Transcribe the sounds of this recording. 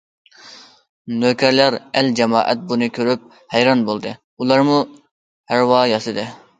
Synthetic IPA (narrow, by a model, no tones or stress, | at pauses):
nøkʲʰɛɾlæɾæld͡ʒɛmɑ̰ːʔɛ̰t̪̚bunɨkʲʰøɾyp̚ | hɛjɾɑnbolˠd̪ɨ | ulˠɑɾmu | hæɾwɑːjɑsɨd̪ɨ